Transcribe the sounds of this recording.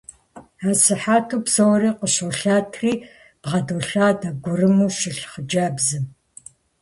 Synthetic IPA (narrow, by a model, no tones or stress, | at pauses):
aːsɨħaːtʰuːpsɐwɔɾiːqəɕoɬaːtʰriː | b̥ʁɐdoːɬaːdɐɡʷʊrɨmuːʃɪɬχəd͡ʒaːbzɨm